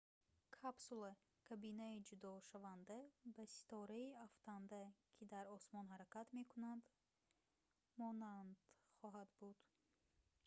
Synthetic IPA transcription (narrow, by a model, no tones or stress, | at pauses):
kʰapsulˠa | kʰabinaid͡ʒud̪ɔʃavand̪abæsi̥t̪ʰɔɾaiaft̪ʰand̪akʰid̪aɾɔsmɔnɦaɾækat̪me̞kunand̪ | mɔnand̪χɔɦad̪bud̪̥